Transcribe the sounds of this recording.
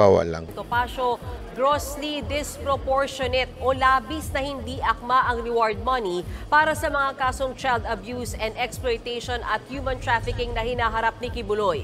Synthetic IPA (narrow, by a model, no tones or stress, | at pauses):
awɐ̰la̰ŋt̪opaːʃoɡɾoslid̪ɪspɾopoɹʃonɛt̪̚ʔolaːbisnɐhɪnd̪iʔɐk̚maʔɐŋɾɪwaɹd̪̚mɐnipaːɾɐsɐmɐŋakaːsoŋt͡ʃajld̪ɐbjuːsɛ̃nd̪ɛksplojt̪ɛjʃonɐt̪̚hjuːmɐ̃nt̪ɾafɪkɪŋnɐhɪnaːɦɐɾap̚nɪkɪbʊloj